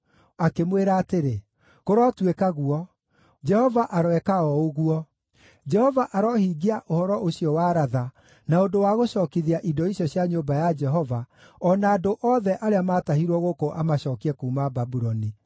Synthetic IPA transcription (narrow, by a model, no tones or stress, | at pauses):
akemweɾaːteɾe | koɾɔtwekaɣuɔ | d͡ʒɛhɔvaʔaɾwɛkaɔoɣuɔ | d͡ʒɛhɔvaʔaɾɔhiɡiaʔohɔɾɔʔoɕiɔwaɾaða | naondowaɣoɕɔːkiðiaʔidɔiɕjɔɕjaɲobajad͡ʒɛɦɔva | ɔnaːdoʔɔðɛʔaɾeamatahiɾwɔɣokoʔamaɕɔːkiɛkuːmababuɾɔni